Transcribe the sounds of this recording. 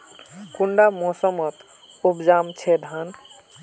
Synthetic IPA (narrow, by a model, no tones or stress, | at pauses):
kuɳɖamɔsəmʌt̪ | upd͡ʒamt͡ʃʰed̪ʱan